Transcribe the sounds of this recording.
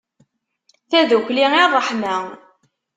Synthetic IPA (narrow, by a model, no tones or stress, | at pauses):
θæðukliirˤːəħmæ